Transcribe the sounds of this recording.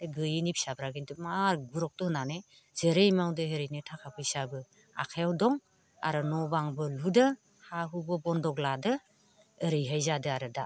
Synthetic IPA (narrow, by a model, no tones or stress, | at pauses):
ɡɯjinipʰi̥sabɾaɡindɯmaɾɡuɾɔk̚tɔhɯnane | z̥eɾejmawdɯɦeɾejnɯtʰakʰapʰɯisabɯ | a̰kʰajawdɔŋ | a̰ɾɯnɔbaŋbɯludɯ | haɦubɯbɔndɔɡladɯː | ɾɯjɦajzadɯaɾɯda